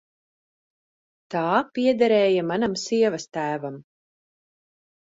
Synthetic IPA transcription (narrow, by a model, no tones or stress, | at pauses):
t̪aːpiɛd̪ɛɾɛːjamanamsiɛvast̪æːvam